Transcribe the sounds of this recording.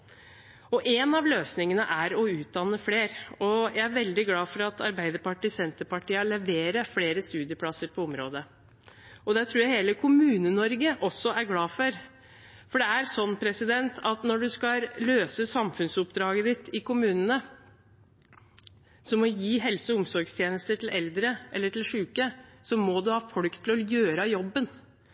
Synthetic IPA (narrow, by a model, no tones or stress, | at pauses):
ɔʔenɑʋløːsnɪŋənəʔæɾɔʉːt̪̚d̪ɑnːəfleːɾɔjæɪæɾʋɛld̪ɪɡlɑːfɔɾɑt̪ʰɑ̰ɾbæɪd̪əɾpɑʈiːsɛnt̪əɾpɑʈiːəɭɛʋeːɾəfleːɾəst̪ʉːd̪ɪəpʰlɑsːəɾpʰɔɔmɾoːd̪ə | ɔd̪ɛt̪ʰɾuːɾjæɪheːləkʰʊmʉːnənɔɾɡəʔɔsːɔæɾɡlɑːfɔɾ | fɔɖɛæɾsɔnːpʰɾɛsɪd̪ɛnt̪ʰɑt̪nɔɖʉskɑløːsəsɑmfʉnsʊpd̪ɾɑːɡəd̪ɪt̪ʰɪkʊmʉːnənə | sɔmːɔjiːɦɛlsəʊmsɔɾɡst̪ʰjeːnəst̪əʈʰɪlʔɛld̪ɾəʔɛlːəʈʰɪlʂʉːkəsɔmɔd̪ʉhɑːfɔlkt̪ʰːɪlɔjøːɾɑjɔbːən